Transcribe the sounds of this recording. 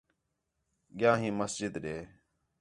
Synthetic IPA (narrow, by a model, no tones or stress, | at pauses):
ɡɪjãːɦĩːməsd͡ʒɪd̪ɗeː